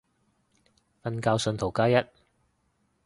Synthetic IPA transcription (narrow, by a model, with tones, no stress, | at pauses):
fɐ˧nkaː˧wsɵ˧nt̪ʰo˨˩wkaː˥jɐ˥t̚